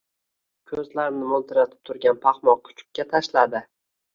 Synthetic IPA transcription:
kʲʰɵzlaɾɪmnɪmʊlˠt̪ʰɪɾat̪ʰɪ̥p̚t̪ʰʊɾɡʲanpʰɑχmɒkʲʰʊ̥t͡ʃʰʊ̥p̚kʲat̪ʰaʃlad̪ɪ

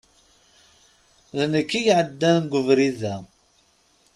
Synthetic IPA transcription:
ðnəkːijʕəd̪ːænnɡʷəvɾiðæ

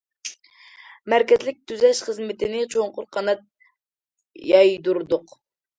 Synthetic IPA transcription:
mæɾkʲɛzlɪk̚ʲt̪ʰyzɛʃχəzmɪt̪ʰɪnɪt͡ʃʰoŋqʊɾqʰɑnɑt̪̚ | jɑjd̪uɾd̪ʊq

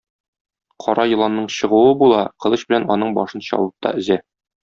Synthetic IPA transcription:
qʰɒɾɑjɤ̆lˠɑnːɤɴɕɤ̆ʁuwɤbulˠɑqɤ̆ɤɕbɘ̆lænɒnɤɴbɒʃɤnɕɑ̰lˠɤp̚t̪ɑ̰ʔɘ̆zæ

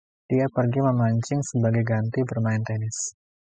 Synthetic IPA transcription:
d̥iapərɡiməmaɲt͡ʃɪŋsəbaɡajɡant̪ibərmaɪnt̪ɛnɪs

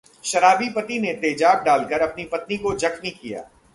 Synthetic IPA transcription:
ʃɐɾaːbipɐt̪inet̪eːd͡ʒaːb̚ɖaːlkɐɾɐpnipɐt̪nikod͡ʒɐkmikija̰ː

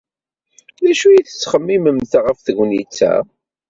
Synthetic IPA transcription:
ɾæʃujiθə̥t͡sːχəmːiməmt̪aʁəfθəʝʷnḭt͡sːæ̰

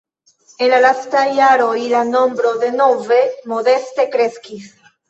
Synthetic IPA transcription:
enlalastajaɾojlano̞mbɾo̞ðe̞no̞ve̞mo̞ðe̞st̪e̞kɾe̞skis

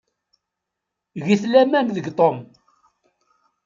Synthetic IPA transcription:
ɣiθlæmæmðəɡt̪ˤom

